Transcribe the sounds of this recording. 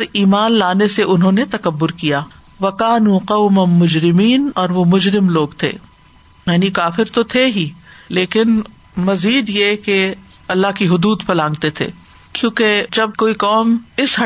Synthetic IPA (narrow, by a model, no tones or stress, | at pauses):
ɾiːmaːnlaːneseʔʊnɦõnet̪ɐkɐbːʊɾkijaː | ʋɐkaːnuːqɐʊmɐmʊd͡ʒɾɪmiːnɔːɾʋomʊd͡ʒɾɪmloːɡt̪ʰḛː | jaːnikaːfɪɾt̪ot̪ʰeɦiːleːkɪn | mɐziːd̪jeke | ɐlːaɦkiɦʊd̪uːd̪fʰɐlãːŋɡt̪et̪ʰḛː | kjõːked͡ʒɐb̚koːiqɔːmɪsɦɐ